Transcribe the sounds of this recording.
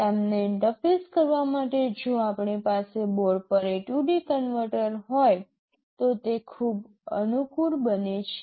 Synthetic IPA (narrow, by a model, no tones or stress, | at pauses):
emneɪɳʈəfeskəɾʋamaʈed͡ʒoapɳipaseboɾɖpəɾeʈuɖikənʋəɾʈəɾɦoj | t̪ot̪ekʰub | ə̰nukuɾbənet͡ʃʰe